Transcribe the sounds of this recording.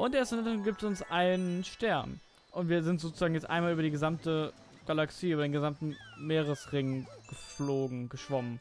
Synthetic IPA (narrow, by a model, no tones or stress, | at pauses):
ʔʊnteːstɪnɪntəʁɡiːptɛsʊnsʔaɪnənʃtɛɐn | ʔʊntv̥iːɐzɪntzoːt͡suz̥aːɡŋ̩jɛt͡stʔaɪnmalyːbɐdiːɡəzamtə | ɡ̥alaksiːyːbɐdeːnɡəzamtn̩meːʁəsʁɪŋɡ̥əfloːɡŋ̩ɡəʃv̥ɔmən